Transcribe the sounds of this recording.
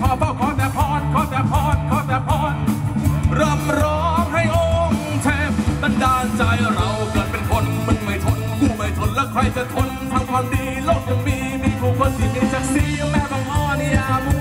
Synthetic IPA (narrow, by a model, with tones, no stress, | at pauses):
ɔː˧˩pʰɔː˧˩kʰɔː˧˥t̪ɛː˨˥pʰɔː˧˥˩n̚kʰɔː˧˥˩t̪ɛː˨˧˥pʰɔː˧˥˩n̚kʰɔː˧˥t̪ɛː˨˩pʰɔː˧˩n̚ | ɾa˧˩mɾɔː˦˥mha˥˩jʔo˧ŋ | t̪ʰe˧˥˩p̚t̪a˧˩ndaː˧nt͡ɕa˧jɾa˧wkaː˧˩t̪̚pe˧nkʰo˧nma˧˩nma˧˩jt̪ʰo˧˥nbuː˧˩ma˨˧˩jt̪ʰo˧˥nlɛː˧˥˩kʰɾa˧jt͡ɕa˧t̪ʰo˧˥nt̪ʰa˧mkʰwaː˧mdiː˧loː˧˩k̚ja˧˩ŋmiː˧miː˧˩t̪ʰuː˧˩kʰoː˧˥nsi˨˩miː˧˥˩t͡ɕa˧˩k̚siː˧˥˧mɛː˧˩t̪ɔː˧˩mɔː˧˩ni˧˩a˧˩˧